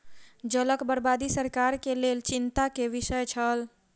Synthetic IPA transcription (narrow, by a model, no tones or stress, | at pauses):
d͡ʒələkbəɾbad̪isəɾkaɾkelelt͡ʃint̪akeʋisəjt͡ʃʰəl